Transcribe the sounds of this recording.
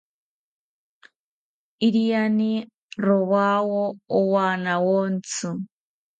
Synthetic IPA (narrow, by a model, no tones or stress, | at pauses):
iɾijani | ɾoβawoːwaːnawont͡sɨ